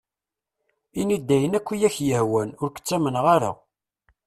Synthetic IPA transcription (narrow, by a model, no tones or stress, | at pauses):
inid̪ːæjənækʷːijæçjəhwænʊɾkə̥t͡sːæmənʁaɾa̰